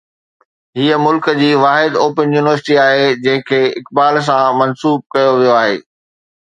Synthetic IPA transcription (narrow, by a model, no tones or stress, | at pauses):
ɦiːəmʊlkəd͡ʑiːʋaːɦɪd̪oːpənjuːnɪʋəɾsɪʈiaːɦed͡ʑɐ̃ɦɪ̃kʰeːɪkbaːls̬ãmɐnsuːb̚kɐjoʋijoaːɦḛː